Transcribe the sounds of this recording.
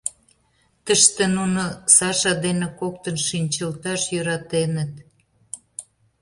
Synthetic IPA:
t̪əʃt̪enunosɑʃɑd̪enekok̚t̪ənʃinʲt͡ɕəlt̪ɑʃjøɾɑt̪enət̪

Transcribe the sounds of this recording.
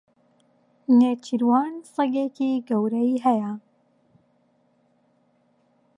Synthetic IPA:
neːt͡ʃʰiɾwɑːnsˤɨɡeːkiɡɐwɾɐiɦɛjɐ

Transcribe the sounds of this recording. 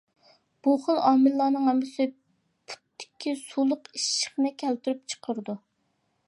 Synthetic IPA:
b̥uχəlˠɑːmɨlːɑːnɨŋɦɛmːɪsɪ | pʰu̥t̪ʰːɪ̥kʲʰːisulˠʊqiʃːə̥χnɨkʲʰɛlt̪yɾyp̚t͡ʃʰə̥qʰəɾɨd̪u

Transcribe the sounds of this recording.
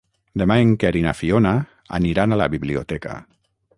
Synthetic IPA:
d̪emaeŋkeɾina̰fiona | a̰niɾanala̰βiβliot̪ɛka̰

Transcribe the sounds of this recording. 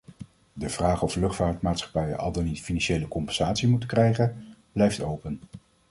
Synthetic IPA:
dəv̥raːχɔflɵχtfaːɹtmaːtsχɑ̥pɛjə̰ʔɑ̰lˠdənitfinɑnʃejləkɔmpɛnz̥aːtsimutəkrɛjχənb̥lɛjftowpən

